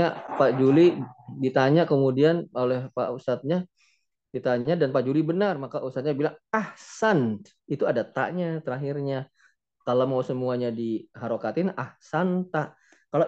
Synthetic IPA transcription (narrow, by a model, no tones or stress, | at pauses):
apaʔd͡ʒulidit̪aɲaʔkəmudianolɛhpa̰ʔusat̪̚ɲa | dit̪aɲadanpaʔd͡ʒulibənarmakaʔusat̪̚ɲabilaŋahsan | it̪uadat̪a̰ʔɲat̪əɾaɦirɲa | kalamawsəmuaɲadiɦaɾokat̪ɪnahsant̪aʔ | kala